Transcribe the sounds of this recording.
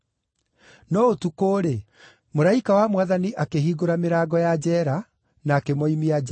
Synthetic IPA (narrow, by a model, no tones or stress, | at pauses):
nɔotukoːɾe | moɾaikawamwaðaniʔakeɦiːɡoɾameɾaːɡɔjad͡ʑɛɾa | naːkemɔimiad͡ʒ